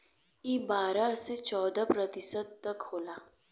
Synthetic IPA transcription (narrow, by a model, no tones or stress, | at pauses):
ibaːɾaset͡ʃɔːd̪apɾət̪ɪsəd̪̚t̪ɐkɦoːlaː